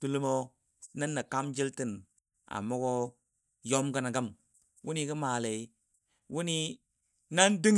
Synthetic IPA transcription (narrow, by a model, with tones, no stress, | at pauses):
tu˦lu˦mo˦ | na˦nːa˨ka˦md͡ʒi˦lti˦˨n | a̰˨mo˦ko˦ | jo˦mɡə˨na˨ɡə˦m | wu˦ni˦ki˦ma˨le˨i˦ | wu˦ni˦ | na˦ndi˦ŋ